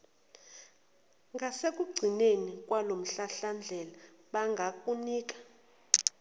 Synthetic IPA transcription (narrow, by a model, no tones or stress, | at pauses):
ŋɡʱasek̬ʼuɡ͡ǀʱinenikʼwalom̩ɬaɬand͡ɮʱɛlaɓaŋɡʱakʼuniːk̬ʼḁ